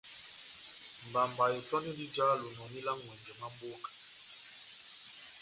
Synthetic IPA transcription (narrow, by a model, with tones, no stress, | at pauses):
mba˨mba˨e˨tɔ˦ni˦di˦d͡ʒa˦lo˨nɔ˨ni˦la˦ŋwɛ˨ŋɡɛ˨ma˦m˦bo˦kḁ˨